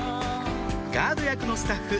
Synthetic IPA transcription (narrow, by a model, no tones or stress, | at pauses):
ɡaːd̪o̞jakɯ̟no̞sɨ̥t̪aɸːɯ̟